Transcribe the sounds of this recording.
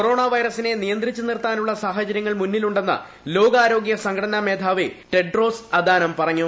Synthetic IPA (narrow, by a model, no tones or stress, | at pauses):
koɾo̞ːɳaːʋɐjɾɐsine̞nijɐnd̪rit͡ɕːɨnirt̪aːnuɭːɐsaːɦɐt͡ɕɐɾjɐŋːɐɭmunːiluɳɖe̞nːɐ̰ | lo̞ːɡaːɾo̞ːɡjɐsɐŋkʰɐɽɐnɐme̞ːd̪ʱʰaːʋiʈe̞ɖro̞ːsɐd̪ʱaːnɐmpɐrɐŋːu